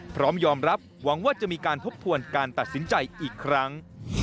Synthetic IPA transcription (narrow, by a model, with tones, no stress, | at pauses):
pʰɾɔː˦˥mjɔː˧mɾa˦˥p̚wa˩˦ŋwaː˥˩t͡ɕa˨˩ʔmiː˧kaː˧nt̪ʰo˦˥p̚t̪ʰːu˧ənkaː˧nt̪a˨˩t̪̚si˩˦nt͡ɕa˧jʔiː˨˩kʰːɾa˦˥ŋ